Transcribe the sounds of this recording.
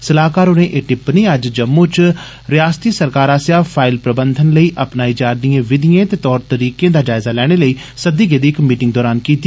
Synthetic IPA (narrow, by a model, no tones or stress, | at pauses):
səlaːkaːɾonẽːʔeːʈɪpneːəd͡ʒd͡ʒəmːũːt͡ʃ | ɾɪjaːst̪iːsəɾkaːɾaːsjaːpʰaːɪlpɾəbənd̪ʱənləiːʔəpnaːiːd͡ʒaːɾd̪ijãːʋɪd̪ɪjẽːt̪eːt̪ɔːɾt̪əɾiːkẽːd̪aːd͡ʒaːɪzaːlɛːɽ̃eːləiː | səd̪iːɡeːd̪iːɪkmiːʈɪ̃ŋɡd̪ɔːɾaːnkiːt̪i